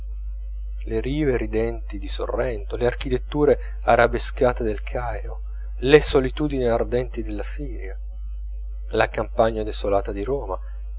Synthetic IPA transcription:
leɾiːveɾid̪ɛnt̪id̪iso̰rːɛnt̪oleark̟it̪et̪ːuːɾe | aɾabeskaːt̪ed̪elkʰajɾo | lesolit̪uːd̪iniard̪ɛnt̪id̪elːasiːɾja | lakampaɲːad̪esolaːt̪ad̪iɾɔːma

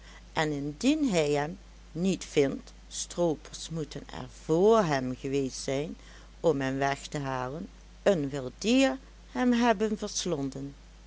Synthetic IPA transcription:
ʔɛnɪndinɦɛjɦɛm | nitfɪnt | strowpʰəɹsmutʰənɛ̰ɹv̥oːɹɦɛmɣəʋeːstsɛjn | ɔmɦɛmʋɛxtəɦaːlən | ənʋɪlˠdiːɹ | hɛmɦɛbənvəɹslɔndən

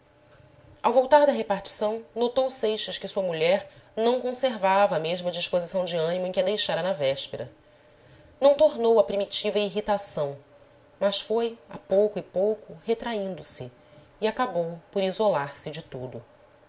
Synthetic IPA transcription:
awvowt̪aɾd̪ɐɦepaɾt͡ʃi̥sɐ̃w̃not̪owsejʃɐʃkɪsuɐmuʎɛɾnɐ̃w̃kõseɾvavɐːmeʒmʊɐd͡ʒiʃpozisɐ̃w̃d͡ʒɪɐ̃nimʊẽkʲɪɐd̪ejʃaɾɐnɐvɛʃpeɾɐ | nɐ̃w̃t̪oɾnowɐpɾimit͡ʃivɐiɦit̪asɐ̃w̃ | mɐsfoja̰powkʊɪpowkʊhet̪ɾaĩnd̪ʊsɪː | akabowpoɾizolaɾsɪd͡ʒɪt̪ud̪ʊ

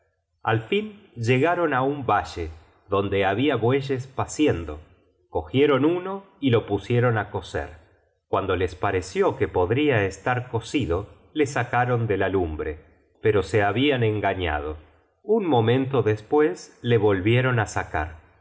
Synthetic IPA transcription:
a̰lfinʒe̞ɣaɾo̞naumbaʒe | ðo̞nd̪eaβiaβwe̞ʒespasjend̪o̞̰ | ko̞xjeɾo̞nuno̞ | ilo̞pusje̞ɾo̞nako̞sḛɾ | kwand̪o̞lespaɾesjo̞kepo̞ðɾiaest̪aɾko̞siðo̞ | le̞sakaɾo̞nd̪e̞lalumbɾe | pe̞ɾo̞seaβianeŋɡaɲa̰ð̞o̞̰ | unmo̞mẽ̞nt̪o̞ðespwe̞sle̞βo̞lβje̞ɾo̞nasaka̰ɾ

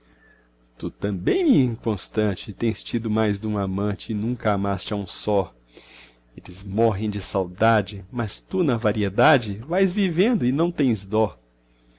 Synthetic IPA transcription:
t̪ut̪ɐ̃bẽj̃mɪĩŋkõst̪ɐ̃t͡ʃɪt̪ẽj̃st͡ʃid̪ʊmajzd̪ũamɐ̃t͡ʃɪːnũkɐamast͡ʃɪaũsɔ | elɪzmɔɦẽj̃d͡ʒɪsawd̪ad͡ʒɪmɐst̪unɐvaɾied̪ad͡ʒɪvajzvivẽnd̪ʊɪnɐ̃w̃t̪ẽj̃zd̪ɔ

